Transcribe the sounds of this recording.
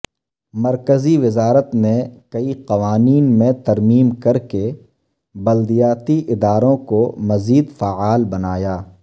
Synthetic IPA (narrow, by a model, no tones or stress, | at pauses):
mɐɾkəziʋɪzaːɾət̪mẽkɐiqɐʋaːniːnmẽt̪ɐɾmiːmkɐɾke | bɐld̪ijaːt̪iʔɪd̪aːɾõkomɐziːd̪faaːlbɐnaːjaː